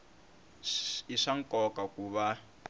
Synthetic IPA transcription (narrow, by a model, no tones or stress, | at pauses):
iʂaŋkʼɔkakuβa